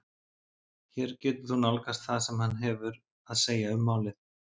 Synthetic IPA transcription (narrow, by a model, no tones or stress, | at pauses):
çɛɾcɛːt̪ʏɾ̥θunalkast̪θaðsɛmhanːɦɛvʏɾ | aðseːjaʏmːaːwlɪð